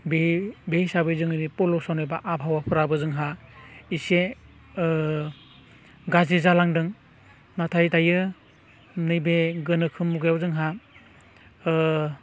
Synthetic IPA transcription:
bebejsabɯjzɯŋɯɾipɔlɔsanɔjbaʔapɦawapʰɯɾabɯzɯŋɦaise | ɡazizalaŋdɯŋ | natʰajtajɯ | nɯjbeɡɯnɯkʰɯmːuɡjawzɯŋɦa

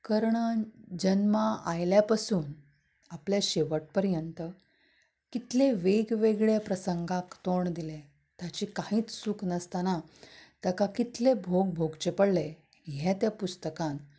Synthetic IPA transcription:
kəɾɳəd͡ʑənmaajljapasuːn | apljaɕeʋəʈ̚pəɾjənt̪ə | kit̪leʋeɡʋeɡɭjapɾəsəŋɡãkt̪oɳd̪ile | t̪jat͡ɕiːkaɦĩːt͡ssuːknəst̪anat̪əkakit̪lebʱoɡ̚bʱoɡt͡ɕepəɽle | ɦjɛt̪japust̪əkãn

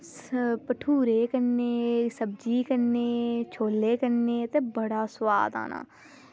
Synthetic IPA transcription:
pəʈʰuːɾeːkəneːsəb̚d͡ʒiːkəneːt͡ʃʰoːlːeːkəneːt̪eːbəɽaːsʊʋa̰ːd̪ã̰ːnã̰ː

